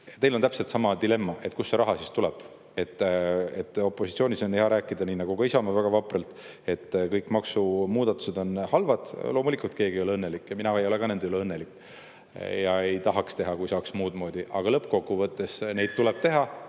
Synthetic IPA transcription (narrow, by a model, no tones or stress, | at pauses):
t̪e̞jlont̪æpselt̪sɑmɑd̪ile̞mːɑʔe̞t̪ːˑkusːeɾɑɦɑsist̪ulɛb̥ | e̞t̪ːet̪ːo̞pːˑo̞sit̪sio̞nʲiso̞neɦɑɾæːkːˑid̪ɑniːnɑɡ̥ukɑisɑmɑvæɡ̥ɑvɑprelt̪ | e̞t̪ːkɤjkːˑmɑksumuːd̪̥ɑt̪ːˑu̥se̞d̪̥o̞nhɑlvɑd̪̥lo̞ːmulikult̪̚ke̞ːɡijo̞leɤnːelikːˑjɑminɑejo̞le̞ɡ̥ɑned̪ejoleɤnːe̞likːˑ | jɑe̞jt̪ɑɦɑkst̪e̞ɦɑkujsɑːksmuːd̪̥mo̞ːd̪̥iʔɑɡ̥ɑlɤpːko̞kːuvɤt̪ːˑe̞sne̞jd̥̪̚t̪uleb̥̚t̪e̞ɦɑ